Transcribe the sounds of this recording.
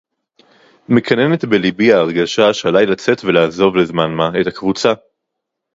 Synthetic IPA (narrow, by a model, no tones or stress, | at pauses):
mekʰane̞ne̞t̪belibiaːʁɡaʃaʃealajlat͡se̞tvelaːzo̞vlezmanmaetakvut͡sa